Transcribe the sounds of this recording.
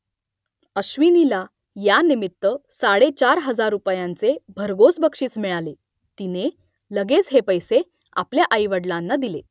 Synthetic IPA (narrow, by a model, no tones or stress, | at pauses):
əɕʋinila | janimit̪ːəsaɽet͡ɕaɾɦəd͡zaɾupjãnt͡sebʱəɾɡosbəkʂiːt͡smiɭale | t̪ine | ləɡet͡sɦepəjse | a̰pljaʔajʋəɽlanːad̪ilḛ